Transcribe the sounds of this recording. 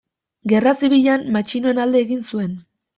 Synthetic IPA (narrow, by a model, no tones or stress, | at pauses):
ɡe̞rasiβiʎanmat͡ʃinoe̞nald̪e̞ːɣinsue̞n